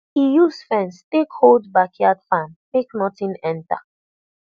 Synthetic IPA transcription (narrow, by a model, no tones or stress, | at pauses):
hijusfɛ̃nstekholdbakʰjadfãnmeknɔtĩnɛ̃nta̰